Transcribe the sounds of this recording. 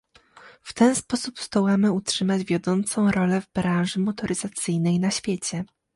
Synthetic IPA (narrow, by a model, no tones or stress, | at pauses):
ft̪ɛnspɔsupst̪ɔwamɘutʂɘmad͡ʑvʲjɔd̪ɔnt̪sɔ̃w̃ɾɔlɛvbɾãw̃ʐɘmɔt̪ɔɾɘzat̪sɘjnɛjnaɕfʲjet͡ɕɛ